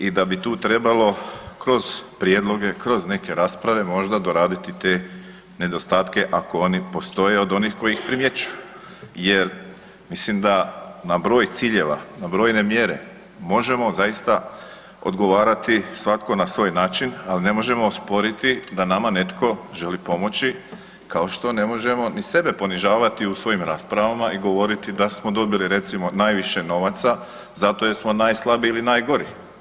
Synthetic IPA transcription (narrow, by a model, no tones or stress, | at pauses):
id̪abit̪uːt̪ɾe̞balo̞kɾo̞z̥pɾjeːd̪lˠo̞ɡe̞kɾo̞zne̞ke̞ɾaːspɾaʋe̞mo̞ʒd̪ad̪o̞ɾaːd̪it̪it̪e̞ | ne̞d̪o̞st̪aːt̪ke̞ʔako̞o̞nipo̞st̪o̞jeo̞d̪o̞niːxko̞jixpɾimje̞t͡ɕuju | je̞ɾ | mislimd̪anabɾo̞ːjt̪siːʎe̞ʋa̰nabɾoːjne̞mje̞ɾe̞̰ | mo̞ʒe̞mo̞zajist̪a | o̰d̪ɡo̞ʋaːɾat̪isʋat̪ko̞nasʋo̞ːjnaːt͡ʃinaline̞mo̞ʒe̞moːspo̞ɾit̪id̪anamane̞t̪kʰo̞ʒe̞lipo̞mo̞t͡ɕi | kao̞ʃt̪o̞ne̞mo̞ʒe̞mo̞nise̞be̞po̞niʒaːʋat̪iusʋo̞jimɾaːspɾaʋamaʔiɡo̞ʋo̞ɾit̪id̪asmo̞d̪o̞biliɾe̞t̪simo̞najʋiʃe̞no̞ʋat̪sa | zat̪o̞jesmo̞najslˠabiilinaːjɡo̞ɾi